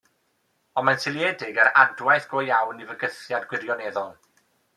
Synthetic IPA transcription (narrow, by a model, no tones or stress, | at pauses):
ɔnmansɪlˠjɛdɪɡəɾadwajθɡ̥ojawnivəɡəθjadɡwɪrjɔneðɔlˠ